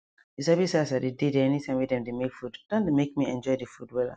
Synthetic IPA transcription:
isabisasadedideɛnitʰãɪ̃mwiðɛ̃mdemekfudd̥ɔ̃ndemek̚miɛ̃nd͡ʒɔɪdəfudwɛla̰

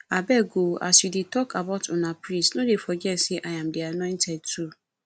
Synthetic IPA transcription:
abɛɡoʔa̰sidɪtʰɔkʰabaʊtʰʊnãpɾĩsnʊ̃defɔd͡ʒɛsɪʔajãmdɪanɔ̃ɪ̃ntʰɛd̚tʰu

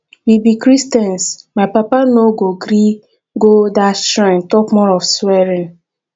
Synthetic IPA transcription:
wibikɾistɛ̃nsmapapanoɡoɡɾi | ɡodatɾãntɔpmɔɹɔfswɛɾĩn

